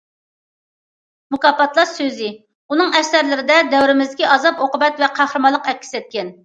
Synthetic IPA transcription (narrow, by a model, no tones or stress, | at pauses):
mukɑpɑt̪lˠɑɾsøzɪ | unɨŋɛʃsæɾlɪɾɪd̪ɛd̪ɛwɾɪmɪzd̪ɪkʲiʔɑzɑpoqʊbɛt̪vɛqʰæhɾɨmɑlˠːəqɛkʲʰːi̥sɛt̪̚kʲɛn